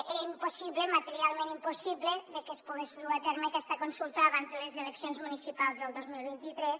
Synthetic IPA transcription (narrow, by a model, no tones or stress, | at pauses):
eɾəimposiβləmat̪eɾialˠmẽnimpusiβləðəkespuɣeʃðuat̪eɾməakɛst̪akonsulˠt̪aːβanzðələzeləksjonzmunisipalˠzðəlˠd̪ozmilˠβint̪it̪ɾɛs